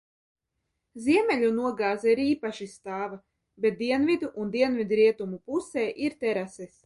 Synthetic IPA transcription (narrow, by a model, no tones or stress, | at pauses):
zʲiɛmɛlʲunuɔɡaːzaɾiːpaʃist̪aːva | bʲet̪̚d̪iɛnvid̪uʔund̪iɛnvʲid̪ɾiɛt̪umupusɛːʔiɾt̪ɛɾasɛs